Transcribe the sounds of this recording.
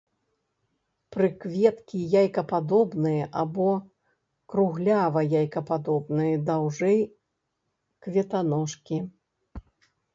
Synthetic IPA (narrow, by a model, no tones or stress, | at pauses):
pɾɨkvʲɛt̪kʲijajkɐpad̪ɔbnɨjɐʔabɔ | kɾuɣlʲavɐjajkɐpad̪ɔbnɨjɐd̪awʐɛj | kvʲɛt̪anɔʂkʲi